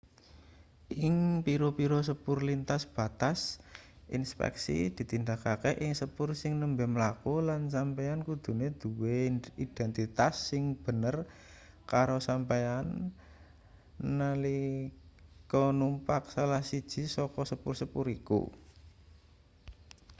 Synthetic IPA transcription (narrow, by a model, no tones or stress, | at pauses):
ʔɪŋpiɾopiɾos̬əpʊrlint̪asb̥a̤t̪as | ʔḭnspɛ̰ksḭd̪̥i̤t̪ind̪akakeʔɪŋsəpʊrsɪŋnəmbɛməlakulansampejankud̪̥ṳned̪̥uweid̪̥ɛnt̪it̪asːɪŋb̥ə̤nər | kaɾosampejan | ali | kɔnumpak̚salahsid̥ʒ̥i̤sɔkɔsəpʊrsəpʊɾikṵ